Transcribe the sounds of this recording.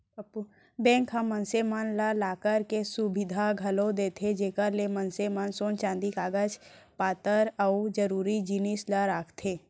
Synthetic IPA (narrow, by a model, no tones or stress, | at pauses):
pu | bɛ̃ːŋkɦamːə̃nsemanlalaːkəɾkesʊbɪd̪ʱaɡʱɐlod̪eːt̪ʰed͡ʒeːkəɾlemənsemansõːnt͡ʃãːnd̪ikaːɡət͡ʃpaːt̪əɾəud͡ʒəɾuːɾid͡ʒɪnislaɾaːkʰt̪ʰeː